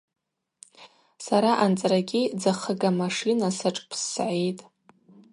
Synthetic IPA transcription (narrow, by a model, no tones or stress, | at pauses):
saɾaʔant͡sʼraɡʲid͡zaχəɡamaʂinasaʈ͡ʂʼpʰsːʕejtʼ